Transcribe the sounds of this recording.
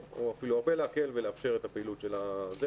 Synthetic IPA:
oafiluaʁbeleake̞lveleafʃe̞ʁet̪apeilutʃe̞laze

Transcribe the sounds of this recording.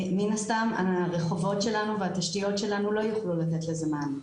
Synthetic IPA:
minast̪ama̰ʁeχo̞vo̞tʃe̞lanuveat̪aʃtijo̞tʃe̞lanulo̞juχlulat̪etlezeman

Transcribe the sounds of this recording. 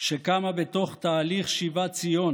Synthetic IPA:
ʃekamabet̪o̞χt̪aːliχʃivat͡sijo̞n

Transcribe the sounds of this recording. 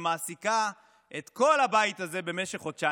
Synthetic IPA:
maːsika | ʔet̪ko̞lhabajit̪aze̞be̞meʃe̞χod̪t͡ʃa

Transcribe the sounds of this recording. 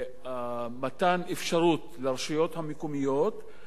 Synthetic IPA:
amat̪anefʃaʁut̪leaʁʃijo̞t̪hamekumijo̞t̪

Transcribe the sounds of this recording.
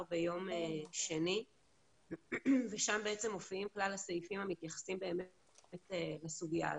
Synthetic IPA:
bejo̞meʃeni | veʃambeet͡se̞mo̞fiimklalhasaifimhamit̪jaχḁsimbeːm | telasuɡia̰

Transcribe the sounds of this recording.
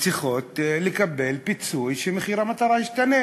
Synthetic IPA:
t͡siχo̞t̪lekabelpit͡sujʃemeχiɾamat̪aʁaiʃt̪ane

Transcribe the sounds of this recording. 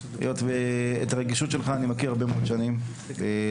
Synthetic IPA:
ḛjotveet̪aʁeɡiʃutʃe̞lχaːnimakiʁaʁbe̞meod̪ʃanim | ve

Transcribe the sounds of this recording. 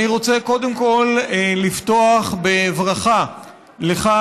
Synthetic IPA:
iʁo̞t͡seko̞de̞mko̞llifto̞aχbe̞vʁaχa | leχa

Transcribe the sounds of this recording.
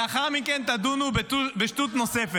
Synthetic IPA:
aχaʁminkɛnt̪ad̪unubt̪ubeʃt̪ut̪nɔsɛf

